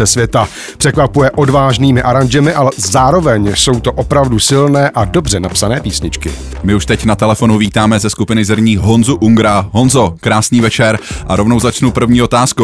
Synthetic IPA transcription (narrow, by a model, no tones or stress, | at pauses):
ɛsvjɛt̪a | pr̝̥ɛkvapujɛʔo̞dvaːʒniːmɪʔaɾand͡ʒɛmɪʔalɛzaːɾo̞vɛɲso̞wt̪o̞ʔo̞pɾavdusɪlnɛːʔado̞br̝ɛnapsanɛːpiːsɲɪt͡ʃkɪ̰ | mɪuʃt̪ɛcnat̪ɛlɛfo̞nuviːt̪aːmɛzɛskupɪnɪzɾɲiːɦo̞nzuʔuŋɡɾaɦo̞nzo̞kɾaːsniːvɛt͡ʃɛɾʔaɾo̞vno̞wzat͡ʃnupr̩vɲiːo̞t̪aːsku